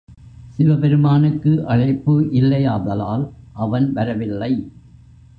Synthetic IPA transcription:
sɪʋɐpɛɾɯmaːnɯkːɯʔɐɻɐɪpːɯʔɪlːɐjaːðɐlaːlʔɐʋɐnʋɐɾɐʋɪlːɐɪ

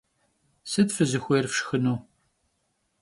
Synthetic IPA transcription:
sɨdfɨzɨxʷeːrfʂxɨnuː

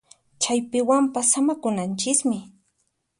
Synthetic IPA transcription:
t͡ʃajpɪwampasːamakʊnant͡ʃɪkmɪ

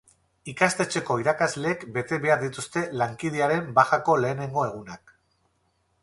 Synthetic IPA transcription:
ikast̪e̞t͡ʃe̞ko̞iɾakazle̞ːkbe̞t̪e̞βe̞aɾðit̪ust̪e̞laŋkið̞eaɾe̞mbaxako̞le̞ːne̞ŋɡo̞e̞ɣ̞unak

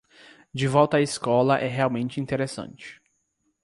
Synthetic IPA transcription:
d͡ʒɪvɔwt̪ɐːiskɔlɐʔɛɦeawmẽnt͡ʃɪĩnt̪eɾesɐ̰̃nt͡ʃɪ̥

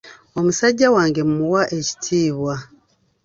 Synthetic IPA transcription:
o̞musaɟːawaːŋɡe̞mumuwaʔeci̥tʰiːβwa

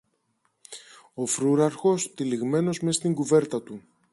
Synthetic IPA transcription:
o̞fɾuɾɐɾxo̞st̪iliɣme̞no̞zme̞st̪iŋɡuve̞ɾt̪ɐt̪u

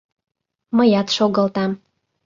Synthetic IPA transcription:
məjɑt̪ʃoɣə̆lt̪ɑm

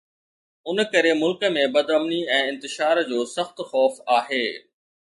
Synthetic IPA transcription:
ʊnkɐɾemʊlkəmẽbɐd̪ɐmniɛ̃ːɪ̃nt̪ɪʃaːɾd͡ʑoːsɐxt̪xɔːfaːɦeː

